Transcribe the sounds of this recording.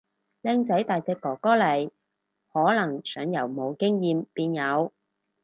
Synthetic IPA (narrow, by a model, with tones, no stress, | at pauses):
lɛː˧ŋt͡sɐ˨˥jt̪aː˨jt͡sɛː˧kːɔː˨˩kɔː˥lɐ˨˩j | hɔː˨˥lɐ˨˩ŋsœː˨˥ŋjɐ˨˩wmo˨˧wkɪ˥ŋjiː˨˧mpiː˧njɐ˨˧w